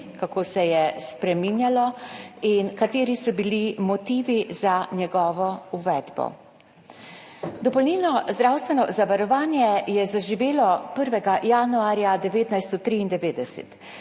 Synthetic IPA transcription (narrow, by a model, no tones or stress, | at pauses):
kakoːsɛjɛspɾɛminjalɔinkat̪eːɾisɔbilimɔt̪iːʋizanjɛɡɔːʋɔuʋɛːd̪bɔ̰ | d̪ɔpɔlniːlnɔzd̪ɾaːwst̪ʋɛnɔzaʋaɾɔʋaːnjɛjɛzaʒiʋeːlɔpəɾʋɛɡajaːnuaːɾjad̪ɛʋeːt̪najst̪ɔt̪ɾiːnd̪ɛʋeːd̪ɛsɛ̰t̪